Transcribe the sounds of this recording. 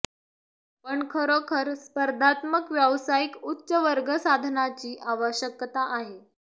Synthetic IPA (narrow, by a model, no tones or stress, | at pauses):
pəɳkʰəɾokʰəɾspəɾd̪ʱat̪məkʋjəʋsaikutːɕəʋəɾɡəsad̪ʱnat͡ɕiːʔaʋəɕjəkt̪aʔaɦe